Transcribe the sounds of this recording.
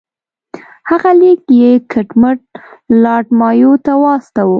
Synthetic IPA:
haɣalikjekʰəʈməʈ̚lɑʈmɑjot̪awɑst̪awu

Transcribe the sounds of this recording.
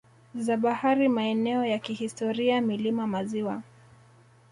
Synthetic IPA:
zaɓahaɾimaɛnɛɔjakihistɔɾiamilimamaziwa

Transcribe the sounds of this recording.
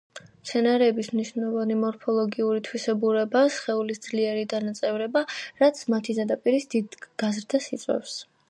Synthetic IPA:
sʰɛnaɾɛːbismniʃnɛlˠanimɔɾpʰɔlˠɔɡiuɾit̪ʰwisɛbuɾɛbasχɛulisd̪z̥liɛɾid̪anat̪sʼɛvɾɛbaɾat̪sʰmat̪ʰizad̪apʼiɾisd̪id̪ɡ̥azɾd̪asit̪sʼwɛ̰fs

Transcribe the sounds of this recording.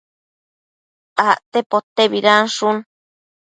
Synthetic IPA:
aʔt̪epot̪ːeβiɾanʂun

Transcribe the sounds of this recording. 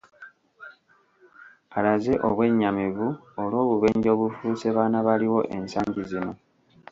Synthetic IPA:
alaze̞ʔoβwe̞ɲːamivuolwo̞ːβuβeːɲɟo̞ːβufuːse̞βaːnaβaliwo̞ʔe̞nsaːɲɟizino̞

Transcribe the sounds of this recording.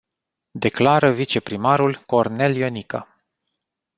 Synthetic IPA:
d̪e̞klaɾəvit͡ʃe̞pɾimaɾulko̞rne̞ljonika̰

